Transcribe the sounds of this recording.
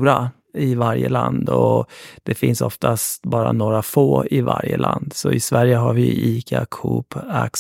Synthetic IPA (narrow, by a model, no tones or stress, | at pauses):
ɾa | ɪvaɾjəland̪ɔd̪̥ɛfɪnsɔft̪ʰast̪bɑːɾanoːɾafoːɪvaɾjəlʔand̪sɔɪsvæɾjəɦaɾvɪiːkʰakʰuːpak